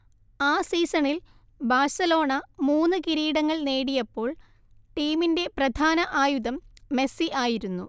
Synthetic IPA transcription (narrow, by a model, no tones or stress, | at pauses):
aːsiːsɐɳil | baːrsɐlo̞ːɳɐmuːnːɨkiɾiːɽɐŋːɐɭneːɽijɐpːo̞ːɭ | ʈiːminde̞prɐd̪ʱaːnɐʔaːjuðɐmːe̞siʔaːjiɾunːṵ